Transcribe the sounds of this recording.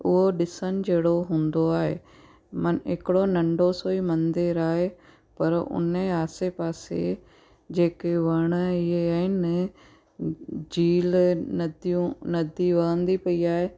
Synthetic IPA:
ʊɦoɗɪsənd͡ʒeːɽoɦũːnd̪oaːɦḛː | mɐnɪ̰kɪɽonɐ̃ɳɖosoːimɐ̃nd̪ɪɾaːɦe | pɐɾʊ̰nẽaːsepaːsḛ | d͡ʒeːkeʋɐɽ̃ɪɦeːɪn | d͡ʒiːlnɐd̪jũnɐd̪iʋəə̃nd̪ipɐiaːɦeː

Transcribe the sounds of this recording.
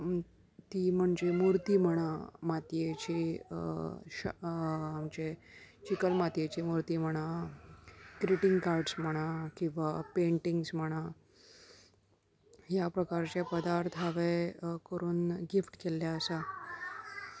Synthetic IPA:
t̪iːm̤əɳd͡ʑemuɾt̪iːm̤əɽ̃amat̪jet͡ɕiː | md͡ʑet͡ɕikəlmat̪jet͡ɕimuɾt̪iːm̤əɽ̃a | kɾiʈiŋɡkaɾɖsm̤əɽ̃akĩw̃ʋapeɳʈiŋɡsm̤əɽ̃a | ɦjapɾəkaɾt͡ɕepəd̪aɾt̪ʰaʋekəɾuːnɡifʈkeljaəsa

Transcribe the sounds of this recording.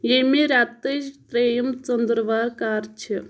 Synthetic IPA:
jemiɾaːt̪eʃpɾeːjɐmt͡ʃənd̪ɾʋaːɾkaːɾt͡ʃʰi

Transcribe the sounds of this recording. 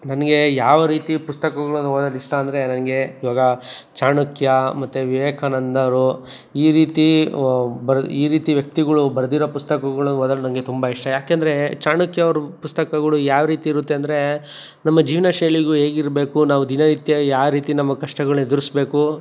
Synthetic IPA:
nɐnɐɡe̞jaːʋɐɾiːt̪ipust̪ɐkɐɡɐɭɐnuoːd̪ɐliʂʈɐɐːnd̪ɾe̞nɐnɐɡe̞iːʋaːɡɐt͡ʃaːɳukʰjɐmɐt̪ːuʋiʋeːkʰɐnɐnd̪ɐɐɾu | iːɾiːt̪i | bɐɾiːɾiːt̪iʋjɐk̚t̪iɡɐɭubɐɾd̪iɾoːpust̪ɐkɐɡɐɭɐnoːd̪ɐlunɐnɐɡe̞t̪umbɐiʂʈɐjaːkend̪ɐɾe̞t͡ʃaːɳukjɐʋɐɾupust̪ɐkɐɡɐɭujaːʋɐɾiːt̪iːɾut̪ːeɐnd̪ɐɾe̞ | nɐmːɐd͡ʒiːʋɐnɐʃɐjliɡuɦeːɡiɾbe̞ːkunaːʋud̪inɐɾit̪jɐjaːʋɐɾiːt̪inɐmːɐkɐʂʈɐɡɐɭuned̪uɾisbe̞ːku

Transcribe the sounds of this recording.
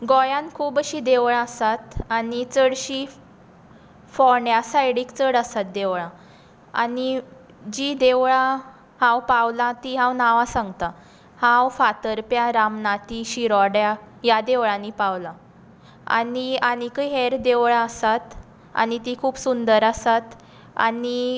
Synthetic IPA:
ɡɔjãnkʰuːbəɕiːd̪eʋɭaəsat̪anit͡səɽɕiː | fɔɳjasajɽiːkt͡səɽəsat̪̚d̪eʋɭã | a̰ni | d͡ʑiːd̪eʋɭã | hãwpawlãt̪iɦãwnaʋãsãŋɡt̪a | hãwfat̪əɾpjaɾamnat̪iːɕiɾɔɽjajad̪eʋɭãnipawla | a̰niañikəɦɛɾd̪eʋɭaəsat̪ | a̰nit̪ikʰuːpsund̪əɾasat̪ | a̰ni

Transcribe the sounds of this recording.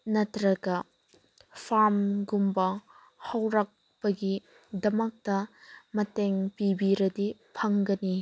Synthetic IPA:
nɐtɾɐɡɐ | pʰaɾmɡumbɐ | hɐwɾak̚ | pɐɡi | dɐmɐk̚tɐmɐteŋpibiɾɐdipʰɐŋɡɐni

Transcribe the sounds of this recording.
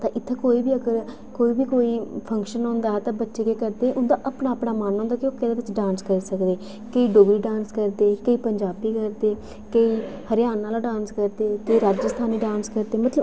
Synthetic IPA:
t̪ãːʔɪt̪ʰːẽːkoːiːbiːəɡəɾ | koːiːbiːkoːiːpʰəŋkʃənɦõːnd̪aːɛːt̪ãːbətːʃeːkeːkəɾd̪eːʔʊnd̪aːʔəpɳaːəpɽaːmaːnɦõːnd̪aːkɪokːeːd̪eːbɪt͡ʃɖãːnskəɾiːsəkd̪eː | kəiːɖoːɡɾiːɖãːnskəɾd̪eːkəiːpəɲd͡ʒaːbiːkəɾd̪eː | kəiːhəɾjaːnːaːlaɖãːnskəɾd̪eːk̪əiːɾaːd͡ʒəst̪ʰaːniːɖãːnskəɾd̪eːmət̪lə

